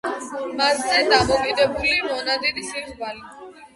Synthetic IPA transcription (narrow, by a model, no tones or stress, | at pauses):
maszɛd̪amɔkʼid̪ɛbulimɔnad̪id̪isiχvali